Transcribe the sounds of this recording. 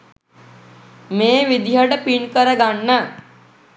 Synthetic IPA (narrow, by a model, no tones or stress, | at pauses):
meːʋid̪iɦəʈəpinkəɾəɡanːə